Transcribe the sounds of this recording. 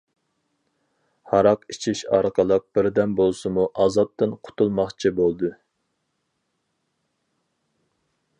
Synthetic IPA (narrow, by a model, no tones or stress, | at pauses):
hɑɾɑqit͡ʃʰiʃɑɾqəlˠəq̚b̥ɪɾd̪ɛnbolˠsɨmuʔɑzɑp̚t̪ʰɨnqʰʊ̥t̪ʰulˠmɑχt͡ʃʰibolˠd̪u